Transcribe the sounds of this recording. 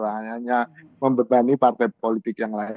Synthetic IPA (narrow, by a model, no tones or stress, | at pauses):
ɾaɲaɲa | məmbəbanipart̪ajpolit̪ɪkjaŋla